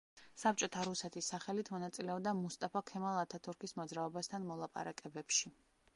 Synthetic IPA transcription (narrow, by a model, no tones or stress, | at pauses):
sap̚t͡ʃʼɔt̪ʰaɾusɛt̪ʰisːaχɛlit̪ʰmɔnat̪sʼilɛɔbd̪amust̪ʼapʰɔkʰɛmalˠat̪ʰat̪ʰuɾkʰismɔd̪zɾaɔbast̪ʰanmɔlˠapʼa̰ɾakʼɛbɛpʃi